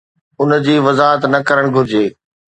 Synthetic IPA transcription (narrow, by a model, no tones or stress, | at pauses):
ʊnd͡ʑiːʋɐzaːɦət̪nɐkɐɾəɽ̃ɡʱʊɾɪd͡ʑeː